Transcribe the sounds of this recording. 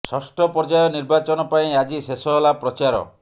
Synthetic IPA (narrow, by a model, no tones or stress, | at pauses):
sɔsʈɔpɔɾd͡ʒajɔniɾbat͡ʃɔnɔpaĩad͡ʒisesɔɦɔlapɾɔt͡ʃaɾɔ̰